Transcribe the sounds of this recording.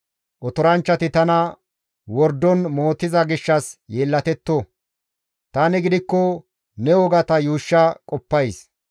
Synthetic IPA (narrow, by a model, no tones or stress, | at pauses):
ʔɔt̪ɔɾɐnt͡ʃːɐt̪ɪt̪ɐnɐ | wɔɾd̪ɔnmo̞ːt̪ːɪzɐɡɪʃːɐsjeːlːɐt̪ɛt̪ːɔ | t̪aːnɪɡɪd̪ɪkːɔ | nɛɔɡɐt̪ɐjuːʃːɐkʼɔpːɐjs